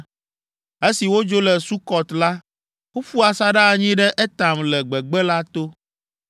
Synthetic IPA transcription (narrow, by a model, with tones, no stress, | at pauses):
e˦si˨wo˦d͡ʒo˦lɛ˨su˦kɔ˨t̪la˦ | wo˦fu˦a˨sa˦ɖa˦˨ɲĩ˦ɖɛ˦ʔɛ˦t̪a˨mlɛ˨ɡ͡bɛ˨ɡ͡bɛ˦la˦t̪o˦